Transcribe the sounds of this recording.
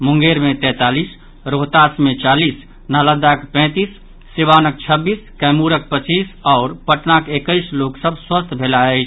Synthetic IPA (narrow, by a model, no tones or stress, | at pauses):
muŋɡeɾmet̪ɛ̃t̪alis | ɾoɦt̪asmet͡ʃalis | naləd̪akpɛ̃t̪isː | iʋanək̚t͡ʃʰəbiskɛmuɾək̚pət͡ʃisɔʊɾpəʈnakekəɪsloksəbʱswəst̪ʰbʱelaəɪt͡ʃʰ